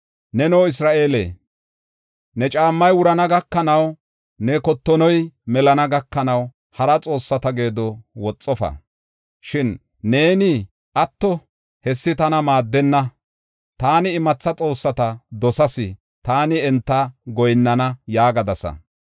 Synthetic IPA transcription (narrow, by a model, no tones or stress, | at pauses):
nɛnoːɪsɾaːʔe̞ːlḛː | nɛt͡ʃʼaːmːɐjwʊɾɐnɐɡɐkːɐnɐw | nɛkɔt̪ːɔnɔjmɛlɐnɐɡɐkːɐnɐw | hɐɾɐt͡sʼo̞ːsːɐt̪ɐɡe̞ːd̪ɔwɔt͡sʼːɔfɐ̰ | ʃɪnː | e̞ːnɪ | ʔɐt̪ːɔ | hɛsːɪt̪ɐnɐmaːd̪ːɛnːɐ | t̪aːnɪːmɐt͡sːɐt͡sʼo̞ːsːɐt̪ɐd̪ɔsɐsɪ | t̪aːnɪɛnt̪ːɐɡɔjnːɐnɐjaːɡɐd̪ɐsɐ̰